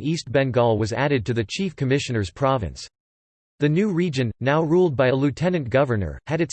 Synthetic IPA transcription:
ist̚b̥ɛ̃nɡɔlˠwʌzæɾɨd̚tɨðɨt͡ʃʰifkʰɨmɪʃɨnə˞z̥pʰɹ̥ɑvɨ̰̃ns | ðɨnʉɹid͡ʒɨ̃nːaʊɹulˠd̚baɪəlʉtʰɛnɨ̃nɡ̥ʌvə˞nə̰˞ɨɾɨts

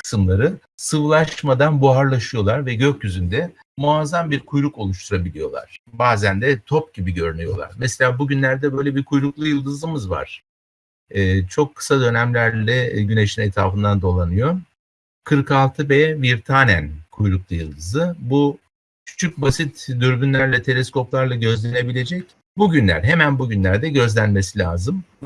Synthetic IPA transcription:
kʰɯ̥sɯmlˠaɾɯ | sɯvlˠaʃmad̪anbuaɾlˠaʃɯjo̞lˠaɾvɛɟøcjyzynd̪ɛ | muazambiɾkʰujɾuko̞lˠuʃt̪ʰuɾabilʲijo̞̰lˠa̰ɾ̥baːzænd̪ɛt̪ʰo̞p̚ɟibiɟø̞ɾynyjo̞̰lˠa̰ɾmɛselʲaːbuɟynlʲæɾd̪ɛbø̞jlʲɛbiɾkʰujɾuklˠujɯlˠd̪ɯzɯmɯzva̰ɾ̥ | ɛːt͡ʃʰo̞kʰːɯ̥sad̪ø̞næmlʲæɾlʲɛɟyne̞ʃinet̪ʰɾa̰ːfɯnd̪and̪o̞lˠanɯjo | kʰɯɾkalˠt̪ʰɯbɛviɾt̪ʰaːnæ̰nkʰujɾuklˠujɯlˠd̪ɯzɯbu | cʰy̥t͡ʃʰyc̚basit̪d̪yɾbynlʲæɾlʲɛt̪ʰe̞lʲesko̞plˠaɾlˠaɟø̞zlʲe̞ne̞bilʲe̞d͡ʒɛc | buɟynlʲæ̰ɾɦemænbuɟynlʲæɾd̪ɛɟø̞zlʲænme̞silʲaːzɯm

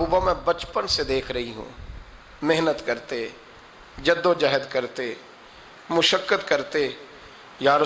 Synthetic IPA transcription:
uːbamɛ̃bɐt͡ʃpənsed̪eːkʰɾɐɦiɦṵ̃ː | mɪɦnət̪kɐɾt̪e | d͡ʒɐd̪ːod͡ʒaːɦəd̪kɐɾt̪e | mʊʃəkːət̪kɐɾt̪e | jaːɾ

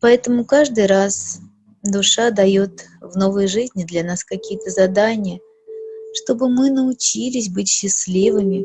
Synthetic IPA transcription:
pɐɛt̪əmʊkaʐd̪ɨjɾas | d̪ʊʂad̪ɐjo̞t̪vno̞vəjʐɨzʲnʲɪd̪lʲɐn̪askɐkʲijət̪əzɐd̪anʲɪjə | ʂt̪o̞bɨmɨnəʊt͡ɕilʲɪsʲbɨtʲɕːɪslʲivɨmʲɪ

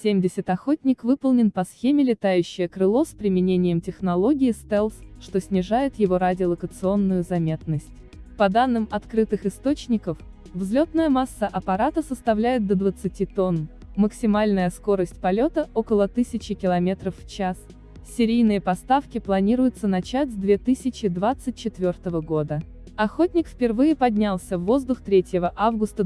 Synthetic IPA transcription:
sʲemʲdʲɪsʲɪt̪ɐxo̞tʲnʲɪkvɨpəlˠnʲɪnpɐsxʲemʲɪlʲɪt̪ajʉɕːɪjəkɾɨlˠo̞spɾʲɪmʲɪnʲenʲɪjəmtʲɪxnɐlˠo̞ɡʲɪɪst̪ɛlˠsʂt̪o̞sʲnʲɪʐajɪt̪jɪvo̞ɾadʲɪəlˠəkət̪sɨo̞nːʊjʊzɐmʲe̞t̪nəsʲtʲ | pɐd̪anːɨmɐt̪kɾɨt̪ɨxɨst̪o̞t͡ɕnʲɪkəf | vzlʲot̪nəjəmasːəʔɐpɐɾat̪əsəst̪ɐvlʲæjɪt̪̚d̪əd̪vət̪sɨtʲit̪o̞n | məksʲɪmalʲnəjəsko̞ɾəsʲtʲpɐlʲot̪əo̞kəlˠət̪ɨsʲɪt͡ɕɪkʲɪlˠɐmʲe̞t̪ɾəfːt͡ɕas | sʲɪɾʲijnɨjəpɐst̪afkʲɪplˠɐnʲiɾʊjɪt̪sənɐt͡ɕætʲzʲd̪vʲe̞t̪ɨsʲɪt͡ɕɪd̪vat̪sɨt̚ʲt͡ɕːɪt̪vʲo̞rt̪əvəɡo̞d̪ə | ɐxotʲnʲɪkfʲpʲɪrvɨjɪpɐdʲnʲalˠsʲəvːo̞zd̪ʊxt̪ɾʲetʲjɪvəʔavɡʊst̪ə

